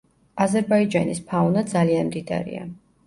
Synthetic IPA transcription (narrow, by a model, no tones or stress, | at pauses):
azɛɾbaid͡ʒanispʰaunad̪zalianmd̪id̪a̰ɾḭa̰